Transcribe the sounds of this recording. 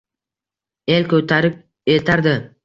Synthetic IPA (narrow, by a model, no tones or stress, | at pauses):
e̞lkʰɵt̪ʰaɾɪp̚ | elt̪ʰaɾd̪ɪ